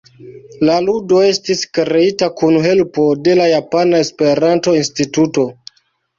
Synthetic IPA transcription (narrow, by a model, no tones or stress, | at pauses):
laludo̞e̞stiskɾe̞itakunɦe̞lpo̞de̞lajapanaespe̞ɾanto̞instituto̞